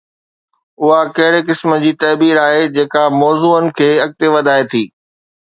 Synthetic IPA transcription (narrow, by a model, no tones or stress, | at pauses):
ʊɦakɐɦɪɽekɪsmə̆d͡ʑiːt̪ɐːbiːɾaːɦed͡ʑeːkamɔːzuːənɪ̆kʰeːɐɠ̚t̪eʋɐd̪ʱaːet̪ʰiː